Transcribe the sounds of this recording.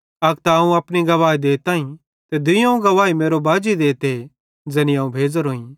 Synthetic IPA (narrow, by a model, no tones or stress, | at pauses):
ɐɡt̪aɐũɐpniɡɐʋaːid̪eːt̪aːĩ | t̪ed̪ɪjãũɡɐʋaːimeːɾobaːd͡ʒid̪eːt̪e | d͡zɛːniãːũbʱeːd͡zəɾɦoːĩ